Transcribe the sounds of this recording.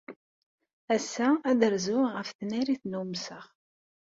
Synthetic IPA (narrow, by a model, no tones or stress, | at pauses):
æsːææðəɾzʊʁəfθniɾiθnumsəχ